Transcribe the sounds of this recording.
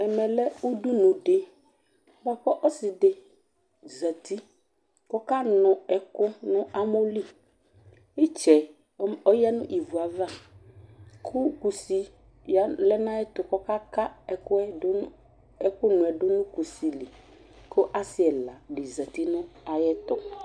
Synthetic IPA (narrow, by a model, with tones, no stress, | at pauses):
ɛ˨mɛ̃˨lɛ˦u˦ɖu˦nʊ̃˨ɖe˦ | ba˨ɸɔ˦ʔɔ˦sɪ˨ɖɪ˨ | zə˨t̪i˦ | kɔ˦ka˦nʊ̃˨ɛ˨kʊ˦nʊ̃˦a˦mo˦li˦˨ | i˦t͡ʃɛ˨˦ | ɔ˦ja˦nʊ̰̃˦ʔi˨vu˨a˨va˦ | kʰʊ˦ku˨si˨ | ja˨˦lɛ˦nã˦jɛ˦t̪ʊ˨kɔ˦ka˦ka˦ɛ˨kʊ˦ɛ˦ | ɛ˦kʊ˦nʊ̃˨ɛ˨ɖʊ˦nʊ̃˦ku˨si˨li˨ | kʊ˦ʔa˦sɪ˦ɛ˨la˨ɖɪ˨za˨t̪i˦nʊ̃˦a˨jɛ˦t̪ɔ˨